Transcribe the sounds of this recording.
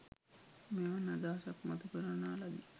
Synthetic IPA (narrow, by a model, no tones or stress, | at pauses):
meanad̪aːsakmat̪ukəɾanaːlad̪i